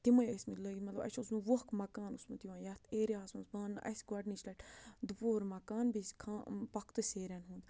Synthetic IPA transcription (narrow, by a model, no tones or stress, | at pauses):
t̪imɐjesʲmiləɡimɐt̪lɐbɐ̰t͡ʃʰusnũːʋokmɐkaːnusmɐt̪jiʋãːjɐt̪ʰeːɾiaːsmɐsbãːnʔɐ̰sɡɐɖnit͡ʃʰlɐʈd̪upoːɾmɐkaːnbiskʰaːpɐkʰt̪ɨseːɾɐnɦũːnd̪